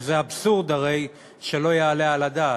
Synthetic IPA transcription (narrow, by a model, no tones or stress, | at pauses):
zeabsuʁd̪aʁe̞j | ʃe̞lo̞jeːlealad̪aː